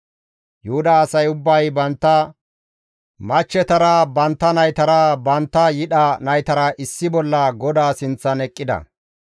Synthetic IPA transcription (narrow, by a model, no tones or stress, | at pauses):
jʊhʊd̪aːsɐjʊbːɐjbɐnt̪ːɐ | mɐt͡ʃːɛt̪ɐɾɐbɐnt̪ːɐnɐjt̪ɐɾɐbɐnt̪ːɐjɪɗɐnɐjt̪ɐɾɐʔɪsːɪbɔlːɐɡɔd̪aːsɪnt͡sːɐnɛkʼːɪd̪ɐ̰